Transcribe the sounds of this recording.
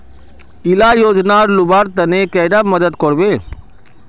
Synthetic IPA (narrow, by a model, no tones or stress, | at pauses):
ɪlajoːd͡ʒnaɾlʊbaːɾt̪ɐnekɛːd̪amɐd̪əd̪kɔɾbeː